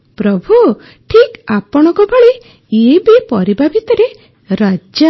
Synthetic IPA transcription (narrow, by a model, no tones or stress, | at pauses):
pɾɔbʱu | ʈʰikapɔɽ̃ɔ̃ŋkɔbʱɔɭi | ebipɔɾibʱabʱit̪ɔɾe | ɾad͡ʒa